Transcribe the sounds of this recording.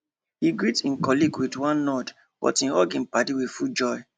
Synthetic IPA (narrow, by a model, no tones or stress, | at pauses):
hiɡɹitĩnkɔliɡwidwãnːɔd | b̥ɔ̰tĩnɔɡĩnpatiwifud͡ʒɔɪ